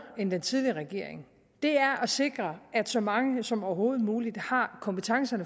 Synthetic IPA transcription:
end̥ent͡sʰið̞ˠliʁɛɡ̥e̝̰ɐ̰e̝ŋ | d̥e̝æɐʔɒ̽se̝ɡ̥ʁɐæd̥sɒ̽mɑ̈ŋəsɒ̽mɒʊɐɦo̝̰ːð̞̩ˠmuːlid̥hɑ̈kʰɒ̽mpət͡sʰɑ̈ŋsɐnə

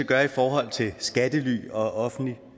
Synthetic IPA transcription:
əɡ̥ɶːɐifɒːɦɒ̽l̰t͡sʰe̝lsɡ̥æd̥əly̰ːɒ̽ʔɒ̽fn̩li

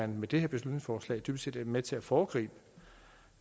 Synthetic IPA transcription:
ænmed̥e̝heɐb̥e̝slud̥ne̝ŋsfɒːslɛ̰ɪd̥yb̥sḛːd̥æɐmet͡sʰe̝æfɒːɡ̥ʁḭːb̥ə

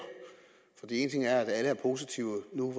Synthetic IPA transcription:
fɒ̽d̥ḭe̝ːnət͡sʰe̝ŋæɐæd̥æləæɐpʰo̝ːs̬it͡sʰiʊənuʋ

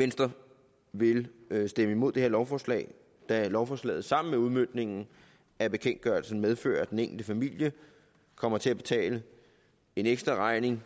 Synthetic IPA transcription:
ʋensd̥ʁɐ | ʋe̝lsd̥eməimo̝d̥eheɐ̰lɒʊfɒːslɛ̰ːɪ | d̥ælɒʊfɒːslɛ̰ːð̩ˠsɑ̈m̰n̩meuð̞ˠmønd̥ne̝ŋn̩ | æb̥e̝kʰen̰d̥ɡ̥ɶɐl̩sn̩með̞ˠfø̰ːɐd̥eneŋ̰ɡl̩d̥əfæmil̰jə | kʰɒ̽m̰ɐt͡sʰe̝æb̥e̝t͡sʰɛ̰ːlə | e̝neɡ̥sd̥ʁɐʁɑ̈ɪne̝ŋ

